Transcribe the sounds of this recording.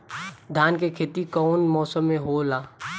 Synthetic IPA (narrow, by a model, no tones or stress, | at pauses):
d̪ʱjaːnkekʰeːt̪ikɔːnmɔːsəmːẽɦolaː